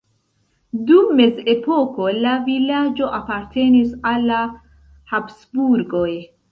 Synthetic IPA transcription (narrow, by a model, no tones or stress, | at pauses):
dumːe̞ze̞po̞ko̞lavilad͡ʒo̞ʔapaɾte̞nisalːa | hapsbuɾɡo̞j